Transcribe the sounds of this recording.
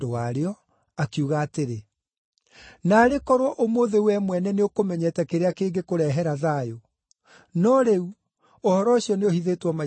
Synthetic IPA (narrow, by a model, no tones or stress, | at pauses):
dowaɾeɔ | akiuɣaːteɾe | naːɾekɔɾwɔʔomoːðewɛmwɛnɛneokomɛɲɛtɛkeɾeakeːŋɡekoɾɛɦɛɾaðajo | nɔɾeu | ohɔɾɔɕiɔneohiðeːtwɔma